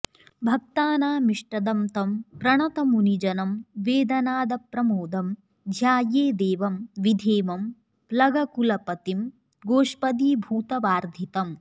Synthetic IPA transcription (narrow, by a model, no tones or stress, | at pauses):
bʱɐk̚t̪aːnaːmiʂʈɐd̪ɐmt̪ɐmpɾɐɳɐt̪ɐmunid͡ʒɐnɐmʋeːd̪ɐnaːd̪ɐpɾɐmoːd̪ʱɐm | d̪ʱjaːjeːd̪eːʋɐmʋid̪ʱeːʋɐm | plɐɡɐkulɐpɐt̪im | ɡoːʂpɐd̪iːbʱuːt̪ɐʋaːɾd̪ʱit̪ɐm